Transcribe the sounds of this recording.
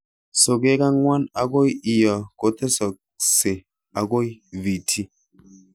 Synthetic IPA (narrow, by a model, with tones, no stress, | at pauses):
so˨ɡe˦ka˦ŋwa˦na˨ɡo˦ji˨jɔ˨ko˨˦t̪e˦so˨k̚ | se˨ | a˨ɡo˦jvi˨tʰi˦